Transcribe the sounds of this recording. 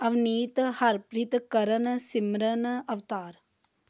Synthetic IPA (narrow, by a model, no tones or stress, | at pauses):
ɐʋniːt̪hɐɾpɾit̪kɐɾɐnɐsimɾɐnɐɐʋt̪aːɾ